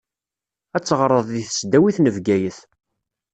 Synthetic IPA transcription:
æt͡sːəʁɾˤəðˤðiθə̥sd̪æwiθnəvɡæjəθ

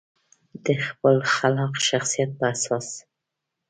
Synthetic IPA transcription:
d̪əxpəlxalɑqʃaxsijat̪̚pəasɑs

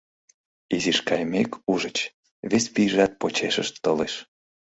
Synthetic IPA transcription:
iziʃkɑjmekʰuʒət͡ɕ | βesʲpiʒɑt̪̚pot͡ɕeʃəʃt̪ːɤleʃ

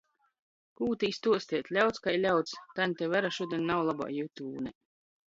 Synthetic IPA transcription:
kuːt̪ʲiist̪uɔsʲt̪ʲiɛt̪ʲlʲawt̪skajlʲawt̪st̪anʲt̪ʲewvæɾaʃuɔd̪ʲiɛnʲnawlˠaba̰ːjut̪ʲuːbnɛ

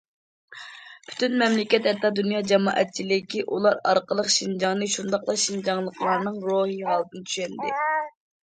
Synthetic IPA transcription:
pʰy̥t̪ynmɛmlɪkʲɛt̪hɛt̪ːɑd̪unjɑːd͡ʒɛmɑ̰ːʔɛt̪̚t͡ʃʰilɪkʲiʔulˠɑɾɑ̰ɾqəlˠəqʃind͡ʒɑŋnɨʃund̪ɑqlˠɑʃind͡ʒɑŋlˠəqlˠɑɾnɨŋɾoɦiɦɑlˠt̪ɨnɨt̪ʰy̥ʃɛnd̪ɪ̰

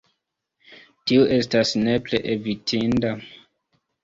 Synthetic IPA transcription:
tioʔe̞stasne̞pleʔevitʰinda

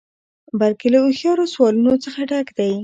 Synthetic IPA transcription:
balkelauxjɑɾoswɑlunot͡səxaɖakd̪aj

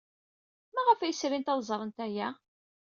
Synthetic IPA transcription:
mæʁəfæjəsɾint̪æwzˤɾˤənt̪æjæ

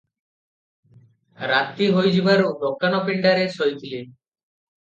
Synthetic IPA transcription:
ɾat̪ːiɦojd͡ʑibaɾod̪okːanɔpiɳɖaɾesojt̪ile

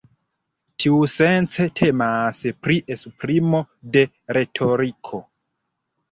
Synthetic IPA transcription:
tʰiuse̞nt͡se̞tʰe̞maspɾiʔesupɾimo̞ | de̞ | ɾe̞tʰo̞ɾikʰo̞

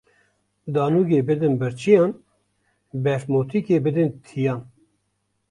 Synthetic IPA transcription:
d̪ɑːnuːɡeːbɨd̪ɨnbɨɾt͡ʃʰijɑːn | bɛɾmoːt̪ʰikeːbɨd̪ɨnt̪ʰijɑːn

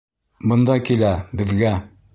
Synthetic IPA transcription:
bɤ̆nd̪ɑkilæbɘ̆ðɡæ

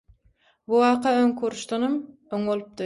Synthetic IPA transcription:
buwɑːqʰɑøŋkʰuɾuʃt̪ɑnom | øŋbolˠup̚d̪ɯ

